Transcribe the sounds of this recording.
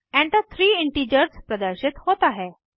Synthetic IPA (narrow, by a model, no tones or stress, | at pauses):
ɛ̃ɳt̪at̪ʰɾiːiɳʈid͡ʑəɾspɾəd̪əɾɕit̪hot̪aɦe